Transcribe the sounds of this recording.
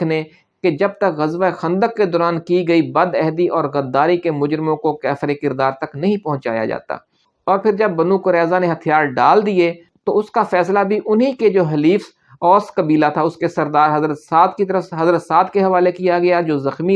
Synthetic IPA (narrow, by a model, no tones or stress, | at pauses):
ne | ked͡ʒɐb̚t̪ɐkɣɐzʋaxɐ̃nd̪əkːed̪ɔːɾaːnkiɡɐibɐd̪ɛɦd̪iʔɔːɾɣɐd̪ːaːɾikemʊd͡ʒɾɪmõkokɛːfɾekɪɾd̪aːɾt̪ɐknɐɦĩpɐɦʊ̃ɲt͡ʃa̰ːja̰d͡ʒa̰ːt̪a̰ː | ɔːɾpʰɪɾd͡ʒɐbːɐnukʊɾɛːzaneɦɐt̪ʰjaːɾɖaːld̪ie | t̪oʊskafɛːslabʱiʔʊnɦiked͡ʒoːɦɐliːfs | ɔːskɐbiːlat̪ʰaʊskesɐɾd̪aːɾɦɐzɾət̪saːt̪kit̪ɐɾəfɦɐzɾət̪saːt̪keɦɐʋaːlekijaɡɐjad͡ʒoːzɐxmi